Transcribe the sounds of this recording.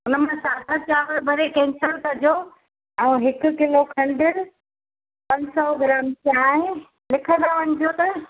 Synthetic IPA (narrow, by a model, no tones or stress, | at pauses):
ʊnəmãsaːd̪ʱat͡ɕaːʋəɾbʱɐɾekɛ̃ːɲsəɾt̪ʰɐd͡ʑo | ɛ̃ːɦɪkʊ̆kɪlokʰɐ̃ɳɖɪɾ | pɐ̃ɲsɔɡɪɾaːmt͡ɕaːɦẽ | lɪkʰə̃nd̪aʋɐɲɪ̆d͡ʑot̪ɐ